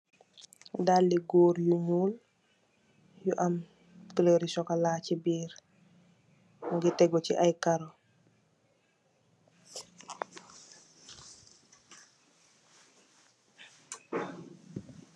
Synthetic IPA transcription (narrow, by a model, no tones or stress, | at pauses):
dalːiɡoːɾjuɲuːl | juʔam | kəleɾisɔkalaːcibiːɾ | ŋɡitɛɡɔciʔajkaɾo